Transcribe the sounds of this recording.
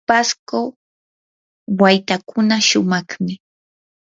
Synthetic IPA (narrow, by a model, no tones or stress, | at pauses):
pasko | wajt̪akʊnaʃʊmɑχmɪ